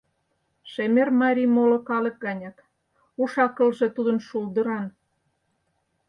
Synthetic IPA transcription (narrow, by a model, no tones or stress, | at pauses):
ʃemermɑɾʲimolŏkɑlək̚ɡɑnʲɑt̪ | uʃɑkə̆lʒet̪ud̪ənʃuld̪ə̆ɾɑn